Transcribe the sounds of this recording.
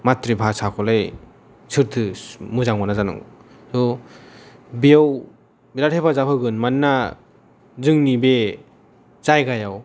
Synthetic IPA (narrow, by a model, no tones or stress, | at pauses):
matɾibʱasakʰɔlaj | sɯɾtʰɯmɯzaŋmanazanɯ̰ŋ | sɔ | bijaw | bilaɾʰebazapʰɯɡɯnmanːa | zɯŋnibe | z̥ajɡajaw